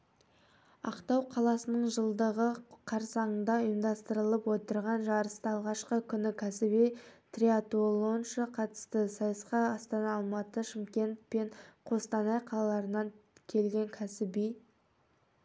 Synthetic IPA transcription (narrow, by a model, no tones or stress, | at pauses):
ɑ̰qt̪ɑwqʰɑlˠɑsənəɴʒəlˠd̪əʁəqʰɑɾsɑɴənd̪ɑʊjəmd̪ɑst̪əɾəlˠəpwo̞t̪əɾʁɑnʒɑɾəst̪əɑlˠʁɑʃqəkʲʰʏnɪkʲʰæsɪbijt̪rʲiat̪olˠo̞nʃəqʰɑt̪ə̥st̪əsɑjəsqɑɑst̪ɑnɑːlˠmɑt̪əʃɪmkʲe̞nt̪̚pe̞ɴqʰo̞st̪ɑnɑjqʰɑlˠɑlˠɑɾənɑŋkʲʰe̞lɡʲe̞ŋkʲʰæsɪbij